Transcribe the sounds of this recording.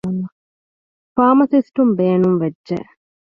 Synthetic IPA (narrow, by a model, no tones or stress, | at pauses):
ɐnɐ | faːmɐsisʈumbeːnumʋedʒḛ